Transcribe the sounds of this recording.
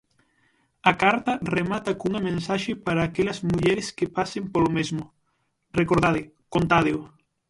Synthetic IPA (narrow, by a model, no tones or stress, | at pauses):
ɐkaɾt̪ɐremat̪ɐkuŋɐmẽnsaʃɪpaɾaːkelɐzmuʎɛɾɪskepasempolomezmʊ | rekoɾðaðɪ | kont̪aðɪʊ